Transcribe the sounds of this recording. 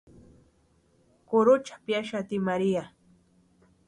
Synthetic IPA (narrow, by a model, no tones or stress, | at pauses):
kʊɾʊt͡ʃḁpjaʃat̪ɪmaɾia